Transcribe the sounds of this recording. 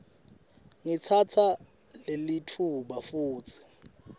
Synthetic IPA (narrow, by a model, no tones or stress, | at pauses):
ŋit͡sʰatʰa | lelitʰuɓafuːtʰi̥